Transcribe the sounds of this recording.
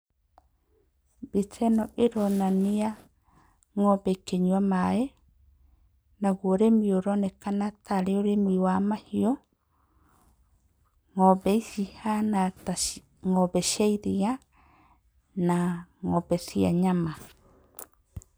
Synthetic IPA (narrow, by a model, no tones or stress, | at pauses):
bitʰɛnɔʔeɾɔnania | ŋɔbɛkeɲwamaɛ | naɣoɾemioɾɔnɛkanatʰaɾeoɾemiwamahiɔ | ŋɔbɛisihanata | ŋɔbɛʃaiɾia | naŋɔbɛsia̰ɲama